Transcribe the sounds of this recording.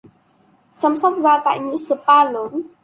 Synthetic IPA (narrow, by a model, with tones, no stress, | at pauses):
t͡ʃa˧msa˦˥t̪̚wa˧t̪a̰˧˨ɲi˨sə˨pa˧lo˨˦n